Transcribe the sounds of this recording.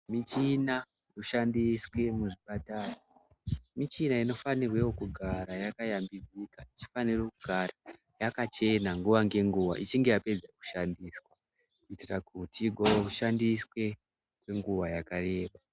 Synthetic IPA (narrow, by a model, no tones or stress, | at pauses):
mit͡ʃina | ruʃandiswe̞muʐipataːra | mit͡ʃinaino̞fanirweokuɡʱaɾajakajambid͡zikait͡ʃi̥fanirekuɡʱara | jakat͡ʃe̞naŋɡuʋaŋɡe̞ŋɡuʋa̰ʔit͡ʃiŋɡe̞jape̞d͡zaku̥ʃandiːswa | kuitirakuutiɡʱooruʃandiswe̞ | kwe̞ŋɡuʋajakare̞ːɓa